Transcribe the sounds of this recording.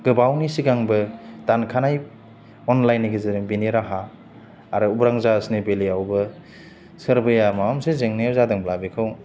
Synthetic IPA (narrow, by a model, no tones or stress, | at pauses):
ɡ̥ɯbawnisiɡaŋbɯdankʰanaj | ɔnlajniɡizeɾeŋbiniɾaɦaː | ɾɯubɾaŋzaəsnebeliawbɯ | sɯɾbɯjamaamsezeŋnejawzadɯŋblabikʰɯw